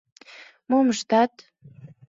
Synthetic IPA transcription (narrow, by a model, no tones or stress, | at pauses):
momʃt̪at̪